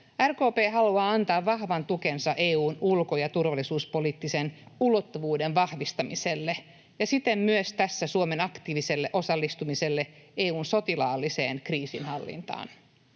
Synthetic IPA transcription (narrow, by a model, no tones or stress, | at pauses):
ærko̞ːpeːɦɑluɑːɑnt̪ɑːʋʋɑhʋɑnt̪ukensɑʔeːuːnulkojɑt̪urʋɑlisuːspo̞liːt̪ːisenulo̞t̪ːuʋuːdenʋɑhʋist̪ɑmiselːe | jɑsit̪emmyøst̪æsːæsuome̞nɑkt̪iːʋiselːeʔo̞sɑlːist̪umise̞lːeeːuːnso̞t̪ilɑ̰ːlːisḛːnkriːsinhɑlːḭnt̪ɑ̰ːn